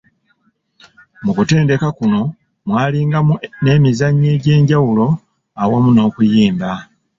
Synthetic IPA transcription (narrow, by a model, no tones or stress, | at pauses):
mukute̞ːnde̞kakuno̞ | mwaːliːŋɡane̞mizaɲːe̞ːɟe̞ːɲɟawulo̞ | awamuno̞ːkujiːmba